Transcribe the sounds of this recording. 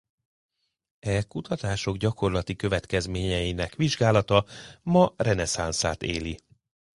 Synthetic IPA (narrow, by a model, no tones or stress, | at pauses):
ɛkut̪ɒt̪aːʃo̞ɡɟɒko̞rlɒt̪ikø̞vɛt̪kɛzmeːɲɛjinɛkʋiʒɡaːlɒt̪ɒmɒrɛnɛsansaːt̪ḛːli